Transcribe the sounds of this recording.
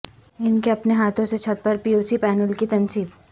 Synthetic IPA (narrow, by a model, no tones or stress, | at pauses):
ɪnkeɐpneɦaːt̪ʰõset͡ʃʰɐt̪̚pəɾpiuːsipɛːnəlkit̪ɐnsiːb